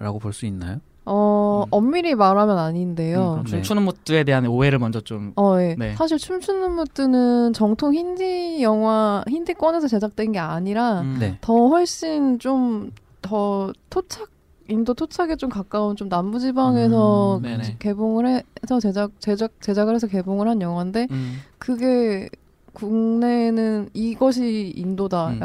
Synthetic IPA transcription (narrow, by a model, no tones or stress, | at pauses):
ɾa̰ɡopoɭs͈uinːa̰jo | ʌʌmːiɾimaɾamjʌnaɲinde̞joumt͡ɕʰunɯnmot͈ɯe̞de̞ɦanoe̞ɾɯɭmʌnd͡ʑʌt͡ɕomʌje̞esʰaɕ̬ʰiɭt͡ɕʰumt͡ɕʰunɯnmot͈ɯnɯnt͡ɕʌŋtʰoŋçindijʌŋwaçindɯk͈wʌne̞sʰʌt͡ɕe̞sʰak̚t͈wennɡe̞aɲiɾaetʌɸwʌɭɕ͈int͡ɕ͈om | tʌtʰot͡ɕʰak̚ | indotʰot͡ɕʰaɡet͡ɕ͈omkak͈aunt͡ɕomnambud͡ʑibaŋe̞sʰʌke̞boŋɯɭɦesʰʌt͡ɕed͡ʑak̚t͡ɕed͡ʑak̚t͡ɕe̞d͡ʑaɡɯɾɦes̬ʰʌke̞boŋɯɭɦanjʌŋɦwande̞kɯɡe̞ | kuŋne̞nɯniɡʌɕ̬ʰiːndoda